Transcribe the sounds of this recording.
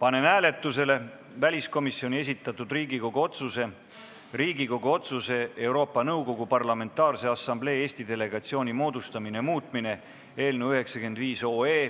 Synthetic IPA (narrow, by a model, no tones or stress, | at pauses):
pɑne̞næːle̞t̪ːˑuse̞le̞ | vælʲisko̞misːio̞nʲie̞s̬ʲit̪ːˑɑt̪ːˑud̪̥riːɡiko̞ɡ̥uo̞t̪suse̞ | riːɡiko̞ɡuo̞t̪suse̞e̞wɾo̞ːpːˑɑnɤwɡo̞ɡ̥upɑrlɑme̞nt̪ːˑɑːrse̞ɑsːɑmble̞ːeːsʲt̪id̪̥e̞le̞ɡ̥ɑt̪sio̞ːnʲimo̞ːd̪ust̪ɑminemuːt̪ˑmine̞ | e̞ːlnewyɦe̞ksɑkend̪viːso̞ːeː